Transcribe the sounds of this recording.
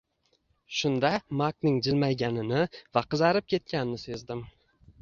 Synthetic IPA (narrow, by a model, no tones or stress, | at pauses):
ʃʊnd̪amaknɪŋd͡ʒɪlmajɡʲanɪnɪvaqɨzɑɾɪp̚kʲʰe̞t̪̚kʲanɪnɪsezd̪ɪm